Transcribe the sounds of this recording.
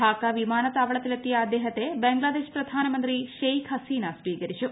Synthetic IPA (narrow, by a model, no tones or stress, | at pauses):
aːkaʋimaːnɐt̪aːʋɐɭɐt̪ilɐt̪ːijɐːd̪eːɦɐt̪ebeŋɡɭaːd̪eːʃpɾɐd̪ʱaːnɐmɐnt̪ɾiʃejkʰɦɐsiːnɐsʋiːkɐɾiʂu